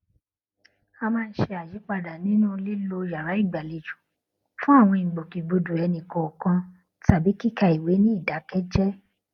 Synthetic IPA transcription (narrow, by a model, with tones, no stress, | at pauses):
a˧mãː˦˧n̩˦ʃe˧a˨ji˨˦k͡pa˦˨da˨nĩ˦nũ˦˧li˦lo˧ja˨ɾa˨˦i˦˨ɡ͡ba˨le˨d͡ʒũ˨ | fũ˦a˦˨w̃ɔ̃˧i˨ɡ͡bo˨ki˨ɡ͡bo˧du˨ɛ˧nĩ˨kɔ̃˨kã˧ | ta˦˨bi˨˦ki˦˨ka˧i˨we˨˦nĩ˦i˦˨da˨˦kɛ˦d͡ʒɛ˦